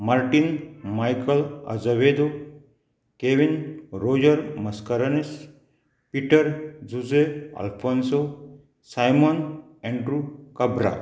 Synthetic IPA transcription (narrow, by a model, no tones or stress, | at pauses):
maɾʈinmajkəlɐ̰zɐʋed̪o | keʋinɾoːd͡ʒəɾmɐskəɾɐnis | piʈəɾd͡zuzeɐ̰lpʰonso | sajmon | eɳɖɾukɐbɾa̰